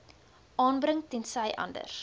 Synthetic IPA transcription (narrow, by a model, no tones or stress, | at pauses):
ʔɑːnbrəŋtɛnsɐjʔɐ̰ndə̰r